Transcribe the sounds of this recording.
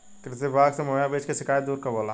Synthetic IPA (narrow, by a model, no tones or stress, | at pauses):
kɾɪt̪ebaːɡsemoːjabeːt͡ʃkesɪkaːjd̪uːɾkɐboːlaː